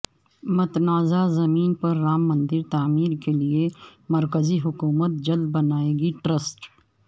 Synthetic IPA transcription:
mʊt̪naːzazɐmiːnpɐɾːaːmːɐ̃nd̪ɪɾt̪aːmiːɾkeliemɐɾkəziɦʊkuːmət̪̚d͡ʒɐld̪̚bɐnaːeːɡiʈɾəsʈ

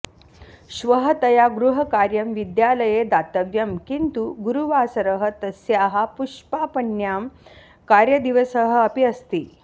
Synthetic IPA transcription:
ɕʋəɦət̪ɐjaɡɾuɦɐkaɾjɐmʋid̪jaləjed̪at̪əʋjɐmkint̪uɡuɾuʋaːsəɾəɦə̆t̪ɐsjaɦapuʂpapənjaːm | kaɾjɐd̪iʋəsəɦəɐpiəst̪iː

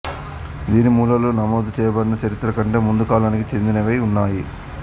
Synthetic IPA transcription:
d̪iːnimuːlɐloːnɐmoːd̪ut͡ʃɛːjɐbɐɽinɐt͡ʃɐɾit̪ɾɐkɐɳʈe̞ːmund̪ukaːlaːnikit͡ʃe̞nd̪inɐʋɐjunːaːji

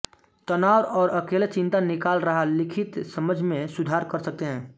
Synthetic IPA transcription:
t̪ɐnaːʋɔːɾʔɐkeːlet͡ʃɪ̃nt̪anɪkaːlɾəɦalɪkʰɪt̪sɐməd͡ʒʱmẽsʊd̪ʱaːɾkɐɾsɐk̚t̪eɦɛ̃ː

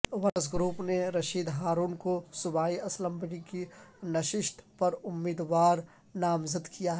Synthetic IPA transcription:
ʋɐɾəsɡɾuːpneɾɐʃiːd̪ɦaːɾuːnkosʊbaːiɐslə̃mbɪɽikinɐʃɪʃt̪ʰpɐɾʊmːiːd̪ʋaːɾ | naːmzəd̪kijaɦɛɛ

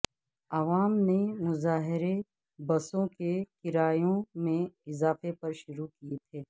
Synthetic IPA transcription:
ɐʋaːmnemʊzaːɦɪɾe | bɐsõkekɪɾaːjõmẽɪzaːfepɐɾʃʊɾukijet̪ʰeː

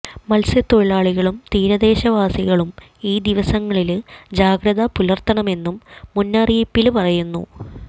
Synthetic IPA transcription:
mɐlsɐt̪ːoɭaːɭiɣɐɭumt̪iːɾɐðe̞ːɕɐʋaːsiɣɐɭum | iːd̪iʋɐsɐŋːɐɭild͡ʑaːɡɾɐðɐpulɐrt̪ːɐɳɐme̞nːumːunːaːrijpːilpɐrɐjunːṵ

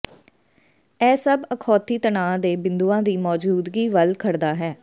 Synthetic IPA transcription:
ɛːsəbəkʰɔːt̪iːt̪ənaːd̪eːbɪ̃nd̪uːãːd̪iːmɔːd͡ʒuːd̪ɡiːʋəlkʰəɽd̪aːɦɛː

